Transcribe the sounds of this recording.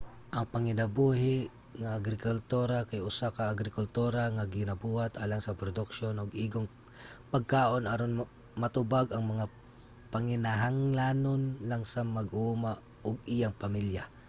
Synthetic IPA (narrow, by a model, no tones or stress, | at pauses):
ʔɐŋpaŋɪnabuːɦɪ | ŋaːɡɾɪkʊlt̪uɾakajʊsakaːɡɾɪkʊlt̪uɾaŋaɡɪnabuːhat̪ʔaːlaŋsɐpɾod̪ʊkʃonʊɡʔiːɡoŋ | paɡ̚kaːʔonʔaɾon | mat̪ʊbaɡaŋmɐŋa | paŋɪnaɦaŋlanonlaŋsamaɡʔuːma | ʔʊɡ̚ijaŋpamilja